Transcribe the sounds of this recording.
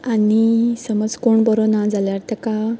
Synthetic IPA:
anisəməd͡zkoɳbɔɾɔnãd͡zaljaɾt̪əka

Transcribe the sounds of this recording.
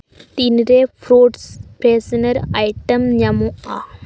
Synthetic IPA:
t̪inɾeːfɾuːɖspɾeːsɐnɐɾɐjʈːɐmɲɐmuaː

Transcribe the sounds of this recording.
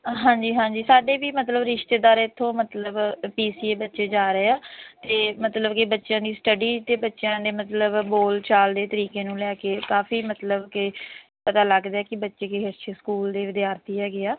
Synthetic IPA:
ɦãːɲd͡ʒiːɦãːɲd͡ʒiːsaːɖeːʋiːmət̪ləbɾɪʃt̪eːd̪aːɾet̪ʰːõːmət̪ləbpiːsiːeːbətːʃeːd͡ʒaːɾeeːaːt̪eːmət̪ləbkɪbətːʃjãːd̪iːsʈəɖiːt̪eːbətːʃjãːd̪eːmət̪ləbboːlt͡ʃaːld̪eːt̪əɾiːkeːnũːlɛːkeːkaːfʰiːmət̪ləbkɪ | pət̪aːləɡd̪eɛːkɪbətːʃeːkeɦəʃeskuːld̪eːʋɪd̪jaːɾt̪iːɛːɡɪaː

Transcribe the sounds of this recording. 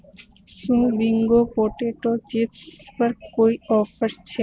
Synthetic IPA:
sũbiŋɡopoʈeʈot͡ɕipsbaɾɡkojɔfeɾt͡ɕʰe

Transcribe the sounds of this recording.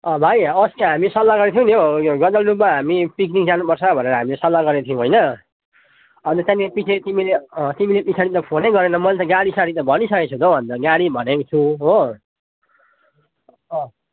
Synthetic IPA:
ʌbʱajʌsiɦamisʌlːaɡʌɾet̪ʰiũnioɡʌd̪ʌlɾup̚maɦamipik̬nikd͡zanupʌrt͡sʰʌbʱʌneɾʌɦamilesʌlːaɡʌɾet̪ʰijũɦojnʌ | ʌnt̪ʌt̪jãepisʰet̪imileʌt̪imilepisʰaɽit̪ʌpʰonejɡʌɾenʌmʌlt̪ʌɡaɽisaɽit̪ʌbʱʌnisʌket͡sʰũd̪obʱʌnd̪ʌɡaɽibʱʌnekt͡sʰuɦo | ʌ

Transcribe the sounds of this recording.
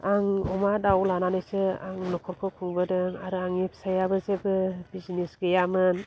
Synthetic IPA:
aŋɔmadawlananɯjsɯaŋlɔkʰɔɾkʰɯkʰuŋbɯdɯŋaɾɯaŋipʰsajabɯzebɯbizinesɡɯjamɯn

